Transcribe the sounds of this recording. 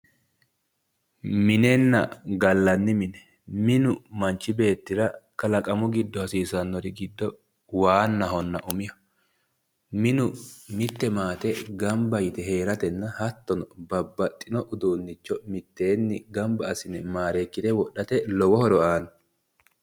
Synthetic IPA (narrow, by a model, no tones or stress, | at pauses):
mɪnɛnːɐ̰ɡɐlːɐnːɪmɪnɛ | mɪnʊmɐnt͡ʃːɪbe̞ːt̪ːɪɾɐkɐlɐkʼɐmʊɡɪd̪ːɔhɐsiːsɐnːɔɾɪɡɪd̪ːɔ | waːnːɐɦɔnːɐʔʊmɪjɐ | mɪnʊmɪt̪ːɛmaːt̪ɛɡɐmbɐjɪt̪ɛhe̞ːɾɐt̪ɛnːɐhɐt̪ːɔnɔbɐbːɐt̪ʼːɪnɔʔʊd̪uːnːɪt͡ʃːɔmɪt̪ːe̞ːnːɪɡɐmbɐːsɪnɛmaːɾeːkːɪt̪ɛwɔɗːɐt̪ɛlɔwɔhɔɾɔaːnɐ